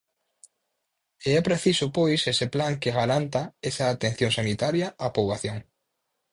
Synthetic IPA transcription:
eɛpɾeθisʊpojseseplaŋkeɣaɾant̪ɐesɐːt̪ẽn̟θjoŋsanit̪aɾjɐapoβaθjoŋ

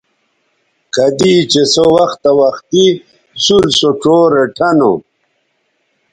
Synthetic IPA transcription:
kɐd̪iːt͡ɕesowɐxt̪awɐxt̪i | suɾsoʈ͡ʂoːɾeʈʰɐno̰

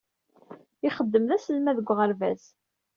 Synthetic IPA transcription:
ɪχəd̪ːəmðæsəlmæðəɡʷːʁəɾvæz

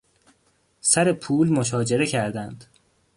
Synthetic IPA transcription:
sæɾepʰuːlmoʃ̬ɒːd͡ʒe̞ɾe̞cʰæɾd̪ænd̪̥

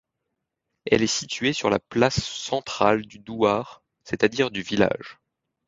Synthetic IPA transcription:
ɛ̰lɛsit̪ɥesyʁla̰plasːɑ̃t̪χald̪yd̪uaʁ | set̪ad̪iʁd̪yvila̰ʒ

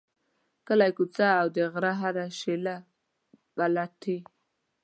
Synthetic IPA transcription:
kəlajkut͡saːwd̪əɣɾaɦaɾaʃela | balatʰi

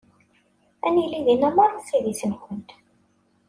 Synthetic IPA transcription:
æniliðinæmɑɾˤsiðisənkʷənt̪

